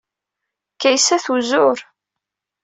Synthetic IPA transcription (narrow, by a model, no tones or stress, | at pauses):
kæjsæθuzʊɾ